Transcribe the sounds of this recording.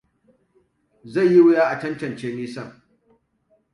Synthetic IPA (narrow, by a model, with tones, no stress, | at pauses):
za˦˨jːi˦wʊ˦jaː˦ʔa˨tɐ˦ntɐ˨nt͡ʃeː˦niː˦sɐ˦˨ŋ